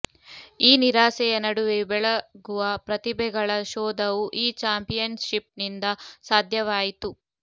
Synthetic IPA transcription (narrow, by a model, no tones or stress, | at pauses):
iːniɾaːsɛjɐnɐɽuʋebɛɭɐɡuʋɐpɾɐt̪ibɛɡɐɭɐʃɔːd̪ɐʋuʔiːt͡ʃaːmpijɐnʃip̚nind̪ɐsaːd̪ʱjɐʋaːjit̪u